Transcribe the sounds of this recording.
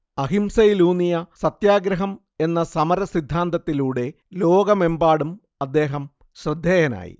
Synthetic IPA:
ɐɦimsɐjluːnijɐsɐt̪jaːɡɾɐɦɐm | e̞nːɐsɐmɐɾɐsid̪ʱːaːnd̪ɐt̪ːiluːɽe̞ | lo̞ːɡɐme̞mbaːɽum | ɐd̪ːe̞ːɦɐm | ɕrɨd̪ʱːeːjɐna̰ːjḭ

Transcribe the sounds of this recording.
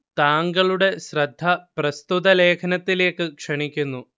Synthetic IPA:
t̪aːŋɡɐɭuɽe̞ɕrɐd̪ʱːɐprɐst̪ud̪ɐle̞ːkʰɐnɐt̪ːile̞ːkːɨkʂɐɳikʲːunːu

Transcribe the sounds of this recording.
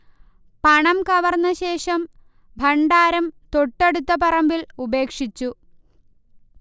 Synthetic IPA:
pɐɳɐmkɐʋɐrnːɐɕe̞ːʂɐm | bʱɐɳɖaːɾɐmt̪o̞ʈːeɽut̪ːɐpɐrɐmbilube̞ːkʂit͡ɕːu

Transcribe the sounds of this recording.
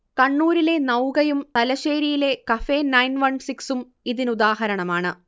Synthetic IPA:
kɐɳːuːɾile̞nɐwɣɐjumt̪ɐlɐɕeːɾijile̞kɐfe̞ːnɐjnʋɐɳsiksum | iðinud̪aːɦɐɾɐɳɐmaːɳɨ

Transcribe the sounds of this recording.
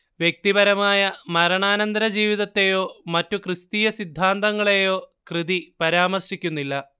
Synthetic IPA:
ʋjek̚t̪ibɐɾɐmaːjɐmɐɾɐɳaːnɐnd̪ɐɾɐd͡ʑiːʋiðɐt̪ːe̞jo̞ːmɐtːukrɨst̪iːjɐsid̪ʱːaːnt̪ɐŋːɐɭejo̞ːkrɨðipɐɾaːmɐrʂikʲːunːilːɐ

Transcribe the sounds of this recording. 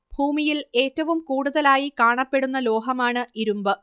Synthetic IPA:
bʱuːmijile̞ːtːɐʋumkuːɽuðɐlaːjikaːɳɐpːe̞ɽunːɐlo̞ːɦɐmaːɳɨʔiɾumbɨ

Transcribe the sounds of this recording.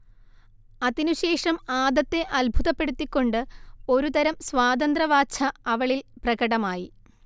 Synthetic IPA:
ɐðinuɕe̞ːʂɐmaːd̪ɐt̪ːe̞ʔɐlbʱuðɐpːe̞ɽut̪ːikʲːo̞ɳɖɨo̞ɾut̪ɐɾɐmsʋaːd̪ɐnd̪rɐʋaːt͡ɕʰɐɐʋɐɭilprɐɣɐɽɐmaːji

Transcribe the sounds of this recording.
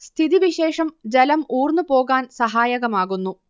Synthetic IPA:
st̪ʰiðiʋiɕe̞ːʂɐmd͡ʑɐlɐmuːrnːɨpo̞ːɣaːnsɐɦaːjɐɣɐmaːɣunːu

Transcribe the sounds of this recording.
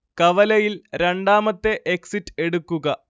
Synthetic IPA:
kɐʋɐlɐjilɾeɳɖaːmɐt̪ːe̞ʔeksitːe̞ɽukːuɣɐ

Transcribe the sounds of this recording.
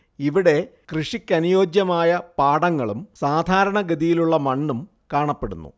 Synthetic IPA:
iʋiɽe̞krɨʂikʲːɐnijo̞ːd͡ʑjɐmaːjɐpaːɽɐŋːɐɭumsaːd̪ʱaːɾɐɳɐɡɐd̪ijiluɭːɐmɐɳːum | kaːɳɐpːe̞ɽunːṵ

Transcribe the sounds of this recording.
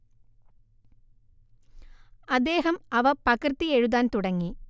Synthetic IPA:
ɐd̪ːeːɦɐmɐʋɐpɐkrɨt̪ːieɻuðaːnt̪uɽɐŋːi

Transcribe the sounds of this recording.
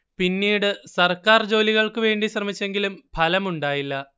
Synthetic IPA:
pinːiːɽɨsɐrkaːrd͡ʑo̞ːliɣɐɭkɨʋe̞ːɳɖiɕrɐmit͡ɕːe̞ŋɡilumpʰɐlɐmuɳɖaːjilːɐ

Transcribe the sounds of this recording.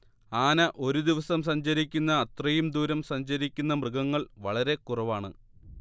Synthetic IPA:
aːnɐʔo̞ɾud̪iʋɐsɐmsɐɲd͡ʑɐɾikʲːunːɐːt̪rɐjumd̪uːɾɐmsɐɲd͡ʑɐɾikʲːun̪ːɐmrɨɡɐŋːɐɭʋɐɭɐɾe̞kurɐʋaːɳɨ

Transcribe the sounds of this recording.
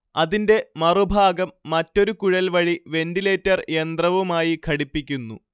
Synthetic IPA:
ɐðinde̞mɐrubʱaːɡɐmːɐtːo̞ɾukuɻɐlʋɐɻiʋe̞ndile̞ːtːɐre̞nd̪rɐʋumaːjikʰɐɽipːikʲːunːṵ

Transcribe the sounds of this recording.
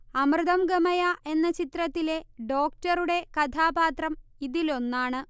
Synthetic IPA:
ɐmrɨðɐmɡɐmɐjaʔe̞nːɐt͡ɕit̪rɐt̪ːile̞ɖo̞ːkʈɐɾuɽe̞kɐt̪ʰaːbaːt̪rɐmiðilo̞nːaːɳɨ

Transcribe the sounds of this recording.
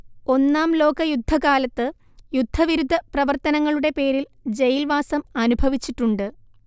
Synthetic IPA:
o̞nːaːmlo̞ːkɐjud̪ʱːɐkaːlɐt̪ːɨ | jud̪ʱːɐʋiɾud̪ʱːɐprɐʋɐrt̪ɐnɐŋːɐɭuɽe̞pe̞ːɾil | d͡ʑejilʋaːsɐmɐnubʱɐʋit͡ɕːiʈːuɳɖɨ

